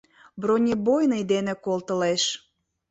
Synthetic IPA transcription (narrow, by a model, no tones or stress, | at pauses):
bronʲebojnəjd̪enĕkolt̪ə̆leʃ